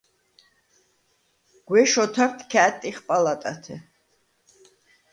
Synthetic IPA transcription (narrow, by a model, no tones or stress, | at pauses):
ɡ̥wɛʃɔt̪ʰaɾt̪ʰkʰaːt̪ʼːiχpʼalat̪ʼa̰t̪ʰɛ̰